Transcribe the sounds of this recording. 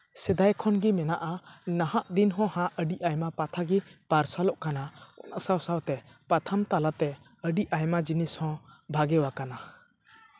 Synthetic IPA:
sɛd̪ajkʰɔnɡimɛnaʔanahaʔd̪inɦɔ̃hãʔəɖiʔajmapat̪ʰaɡipaɾsalɔʔkanaɔ̰na̰ʔsawsawt̪ɛ | pat̪ʰamt̪alat̪ɛ | əɖiʔajmad͡ʒinishɔ̃bʱaɡɛwakana

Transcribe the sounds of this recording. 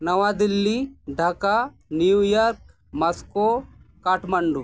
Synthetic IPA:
nɐʋad̪ilːiɖʱɐka | nijujaɾk̚ | mɐskokaːʈmɐɳɖu

